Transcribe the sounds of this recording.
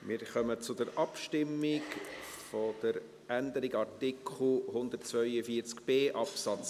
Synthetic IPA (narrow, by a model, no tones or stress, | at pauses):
mɪɾχœmət͡sʊdəɾʔɑpʃtɪmːɪkfod̥əɾ | ʔænd̪əɾɪɡɑrtɪkχl̩hʊnd̪ətt͡svœʏəfiəɾt͡skb̥eːʔɑpsɑt͡s